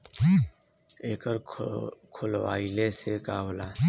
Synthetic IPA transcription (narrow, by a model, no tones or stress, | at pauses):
eːkəɾkʰʊlwa̰ːilesekaːɦlaː